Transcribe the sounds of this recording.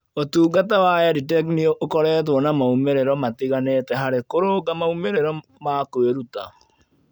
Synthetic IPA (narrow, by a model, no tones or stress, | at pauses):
otuːɡat̬awajaditɛk̬nioʔokɔɾɛːt̬wɔnamaumeɾeɾɔmatiɣanetɛɦaɾekoɾoɡamaumeɾeɾɔ | makweɾuta̰